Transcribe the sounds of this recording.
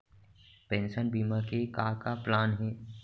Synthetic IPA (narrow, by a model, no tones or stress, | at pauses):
pɛ̃ːnʃənbiːmakekaːkaplaːnɦɛː